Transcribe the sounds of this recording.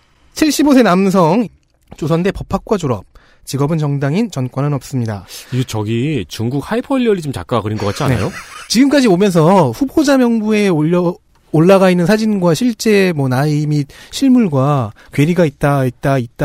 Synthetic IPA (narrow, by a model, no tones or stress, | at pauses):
t͡ɕʰiɭɕ͈ibosʰe̞nams̬ʰʌŋ | t͡ɕosʰʌnde̞pʌpʰak̚k͈wad͡ʑoɾʌp̚ | t͡ɕiɡʌbɯnt͡ɕʌŋdaŋint͡ɕʌnkwanɯnʌp̚s͈ɯmɲida̰iɡet͡ɕʌɡit͡ɕuŋɡuk̚haipʰʌʎːjʌɾit͡ɕomt͡ɕa̰k͈aɡkɯɾinɡʌk͈at͡ɕ͈ʰia̰nea̰jot͡ɕiɡɯmk͈ad͡ʑibomjʌns̬ʰʌɸubʰod͡ʑamjʌŋbue̞ | oɭːaɣainːɯnsʰad͡ʑinɡwaɕʰiɭt͡ɕ͈e̞mwʌnaimit̚ɕʰiɭmuɭɡwa | kwe̞ɾiɡait̚t͈ait̚t͈ait̚t͈a